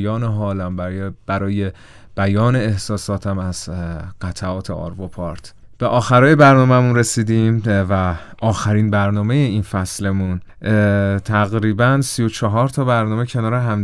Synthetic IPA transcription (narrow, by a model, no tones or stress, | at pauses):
jɒːneɦɒːlæmbb̥æɾɒːje | b̥æjɒːne̞ːhsɒːsɒːt̪ʰæmæz̥ɢ̥æt̪ʰæɒːt̪ʰeɒ̰ːɾvopʰɒɾt̪ʰ | b̥e̞ʔɒːxæɾɒːjebæɾnɒːmæmunɾe̞siːd̪iːmvæ | ʔɒːxæɾiːnbæɾnɒːmejeinfæsle̞mun | t̪ʰæɣɾiːbænsijo̞t͡ʃʰɒɦɒːɾt̪ʰɒːbæɾnɒːme̞cʰe̞nɒːɾeɦæm